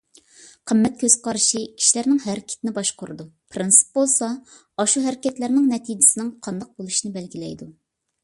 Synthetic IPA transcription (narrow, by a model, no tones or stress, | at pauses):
qʰəmːɛt̪̚kʲʰøz̥qʰɑɾɨʃii̥ʃlæɾnɪŋɦæɾɪkʲʰt̪ɪnɪbɑʃqʰʊɾɨd̪upʰɾɨnsɨ̥p̚bolˠsɑ | ɑʃuɦæɾɪkʲɛt̪læɾnɪŋnɛt̪ʰijd͡ʒɪsɪnɪŋqʰɑnd̪ɑq̚bolˠuʃinɨbɛlɡʲilɛjd̪u